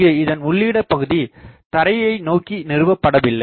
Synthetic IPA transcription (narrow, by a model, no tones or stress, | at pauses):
ɐɪðɐnʊɭːiːɽɐpːɐɣɯðit̪ɐɾɐjɐɪnoːkinɪɾɯʋɐpːɐɽɐʋɪlːɐ